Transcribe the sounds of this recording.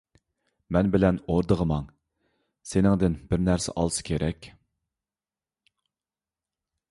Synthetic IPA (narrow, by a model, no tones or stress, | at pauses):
mɛnbɪlɛnoɾd̪əʁəmɑŋ | senɪŋd̪ɪnbɪɾnæɾsɛ̰ʔɑ̰lˠsɨ̥kʲʰeɾʔɛkʲ